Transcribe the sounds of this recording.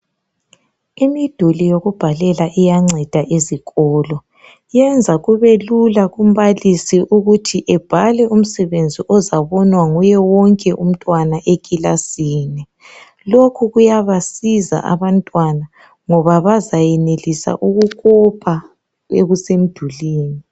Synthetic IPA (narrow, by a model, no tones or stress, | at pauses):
imid̥ʱulijoɣub̥ʱalɛlaʔijaŋ͡ǀɛd̥ʱaʔeziɣɔːlɔ | jɛnd͡zʱaɣuβelulaɣum̩βalisiʔuɣutʰiʔɛb̥ʱalɛʔum̩sɛβend͡zʱiʔɔzaβɔnwaŋujɛwɔŋkʼɛʔum̩tʼwanaʔekʼilasiːnɛ | lokʰuɣujaβasiza̰ʔa̰βantʼwana | ŋɔβaβazajɛnelisa̰ʔuɣukɔpʰa | eɣusem̩d̥ʱuliːni